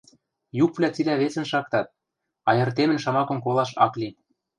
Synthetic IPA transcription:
jukvlʲæt͡silæβet͡sɘ̆nʃɑkt̪ɑt̪̚ | ɑjɤ̆rt̪emɘ̆nʃɑmɑkɤ̆mkolˠɑʃɑ̰kli

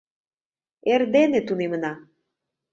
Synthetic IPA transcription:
erd̪enet̪unemə̆nɑ

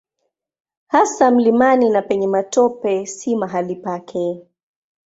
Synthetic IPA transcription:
hasam̩limaninapɛɲɛmatɔpɛsimaɦalipakʰɛ

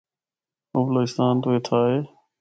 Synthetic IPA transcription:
obloːɪst̪aːnt̪oːeːt̪ʰaːɦeː

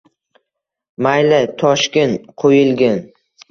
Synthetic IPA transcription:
majlɪt̪ʰɒʃkʲent̪qʰojɪlˠɡʲan

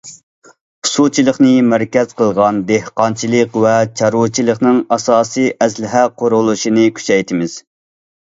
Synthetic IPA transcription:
χʊ̥sut͡ʃʰilˠəχnɨmæɾkʲɛz̥qʰəlˠʁɑnd̪ehqɑnt͡ʃʰilˠəqwɛt͡ʃʰɑɾut͡ʃʰilˠəχnɨŋɑsɑːsɨjʔɛslɪɦɛqʰoɾulˠuʃinɨkʲʰy̥t͡ʃɛjt̪ʰɪmɪz̥

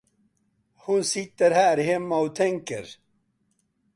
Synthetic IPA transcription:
hʊnsɪt̪ːəɾhæːɾhɛmːaot̪ʰɛŋkə̰ɾ

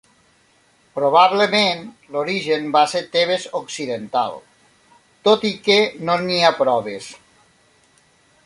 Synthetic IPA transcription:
pɾoβ̞aβlemen | loɾiʒenbaseɾt̪eβezoksiðent̪a̰lˠ | t̪ot̪ikenoniapɾɔβes

